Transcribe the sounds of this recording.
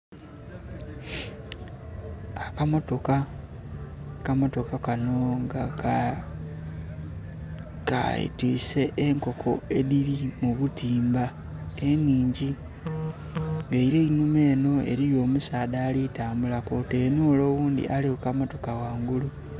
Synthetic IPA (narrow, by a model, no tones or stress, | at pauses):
akamo̞to̞ka | kamo̞to̞kakano̞ŋɡak | ka̰ḭtwḭːse̞ʔːŋko̞kʰo̞e̞ðiɾimuβutiːmba | eniːɲɟi | ŋɡaiɾeinume̞ːno̞e̞̰ɾijo̞ːmusaːðaːlitaːmbulakote̞ːnuolo̞ːβuːnd̪ḭʔaliukamo̞to̞kawaːŋɡulu